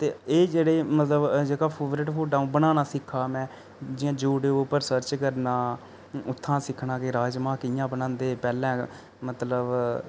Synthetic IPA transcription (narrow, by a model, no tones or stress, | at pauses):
t̪eːeːd͡ʒeːɽeːmət̪ləbd͡ʒeːkaːpʰeːʋɾeːʈpʰoːʈaːũːbənaːnaːsɪkʰːaːmɛ̃ː | d͡ʒɪjãːd͡ʒuːɖeoːpəɾsəɾt͡ʃkəɾnaː | ʊt̪ʰːãːsɪkʰnaːkeːɾaːd͡ʒmãːkɪjãːbənãːnd̪eːpɛːlɛ̃ː | mət̪ləb